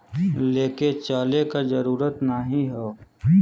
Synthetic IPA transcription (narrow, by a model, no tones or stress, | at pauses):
leːket͡ʃaːlekazɐɾuːɾət̪nəɦĩɦɛo